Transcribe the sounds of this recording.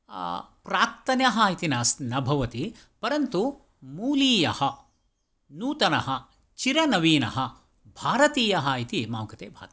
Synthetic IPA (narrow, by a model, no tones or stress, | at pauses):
pɾaːk̚t̪ɐnjɐɦɐːit̪inaːsnɐbʱɐʋɐt̪i | pɐɾɐnt̪u | muːliːjɐhɐ | nuːt̪ɐnɐɦɐ | t͡ʃiɾɐnɐʋiːnɐ̰ɦɐ | bʱaːɾɐt̪iːjɐɦɐːit̪ima̰ːwkɐt̪eːbʱa̰ːt̪